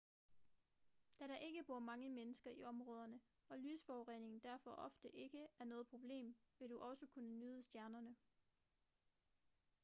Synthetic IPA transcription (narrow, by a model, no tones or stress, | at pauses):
d̥æɾɑ̈ʔe̝ɡ̥əb̥o̝ɐ̰mɑ̈ŋəmenəsɡ̥ɐiɒ̽mʁɔ̽ːð̞ˠɐnəɒ̽lyːsfɒːʁḛne̝ŋn̩d̥æɐ̰fɒ̽ʔɒ̽fd̥əʔe̝ɡ̥əæɐnɔ̽ːð̞̩ˠpʰʁo̝b̥le̝̰ːmʋe̝ɾ̥uʔɒ̽səkʰunənyːð̞ˠəsd̥jæɐnɐnə